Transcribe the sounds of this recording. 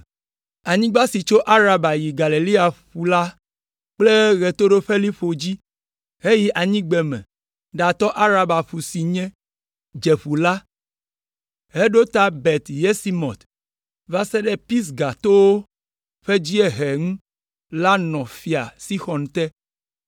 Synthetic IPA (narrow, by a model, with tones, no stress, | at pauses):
a˨ɲĩ˦ɡ͡ba˦si˨t͡ʃo˦ʔa˦ɾa˦ba˨ji˨ɡa˨le˨li˦a˨ɸu˨la˦ | k͡ple˦ɣe˨t̪o˦ɖo˦ɸe˦li˦ɸo˨d͡ʑi˦ | ɦe˦ji˦ʔa˨ɲĩ˦ɡ͡bɛ˨mɛ̰̃˨ | ɖa˨t̪ɔ˦ʔa˦ɾa˦ba˨ɸu˨si˨ɲɛ̃˦ | d͡ʒe˨ɸu˨la˦ | ɦe˦ɖo˦t̪a˦bɛ˨t̪je˦si˦mɔ̰̃˨t̪ | va˦sɛ˦ɖɛ˦pi˦s̬ɡa˨t̪o˦wo˦ | ɸe˦d͡ʑi˦e˦ɦɛ˨ŋũ˦ | la˦nɔ̃˨fi˨a˨si˦xɔ˨nt̪ɛ˦